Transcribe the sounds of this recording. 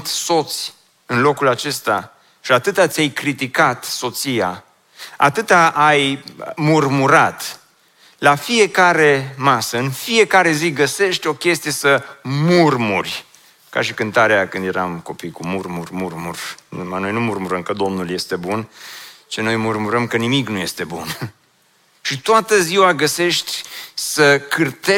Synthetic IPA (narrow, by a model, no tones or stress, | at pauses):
t̪so̞t̪sʲ | ɨnlo̞kulat͡ʃe̞st̪a | ʃiat̪ɨt̪at̪sʲjajkɾit̪ikat̪so̞t̪sija | a̰t̪ɨt̪aʔːjmurmuɾat̪ | lafije̞kaɾe̞masəɨnfie̞kaɾe̞ziɡəse̞ʃt̪ʲo̞kʲe̞st̪ijesəmurmurʲ | ka̰ʃikɨnt̪aɾeakɨnd̪je̞ɾamko̞pijkumurmurmurmurumano̞jnumurmuɾəmkəd̪o̞mnulje̞st̪e̞bunt͡ʃeno̞jmurmuɾəmkənimiknuje̞st̪e̞bun | ʃit̪oat̪əziwaɡəse̞ʃt̪ʲsəkʰɨrt̪e